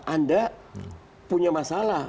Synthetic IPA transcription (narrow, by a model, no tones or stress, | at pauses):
anda | puɲamasala